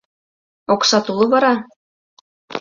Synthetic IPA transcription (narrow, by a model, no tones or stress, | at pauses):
oksɑt̪ulˠɤ̆βɑɾɑ